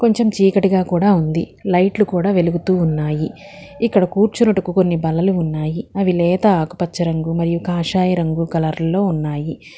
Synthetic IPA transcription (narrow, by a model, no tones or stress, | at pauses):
ko̞ɲt͡ʃe̞mt͡ʃiːkɐʈiɡaːkuːɽaːund̪ḭ | lɐjʈlukuːɽaːʋe̞luɡut̪uːnːaːji | ikːɐɽɐkuːɾt͡ʃunɐʈukuko̞nːibɐlɐluːnːaːjiɐʋilɛːt̪ɐaːku̥pɐt͡ʃːɐɾɐŋɡumɐɾijukaːʃaːjɐɾɐŋɡukɐlɐɾlɐlo̞ːunːaːji